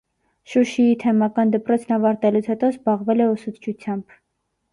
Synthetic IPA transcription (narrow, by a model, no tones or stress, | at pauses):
ʃuʃiit̪ʰɛmɑkɑnd̪əpɾɔt͡sʰnɑvɑɾt̪ɛlut͡sʰhɛt̪ɔzbɑʁvɛlɛusut͡s̪ʰt͡ʃʰut͡sʰjɑmb̥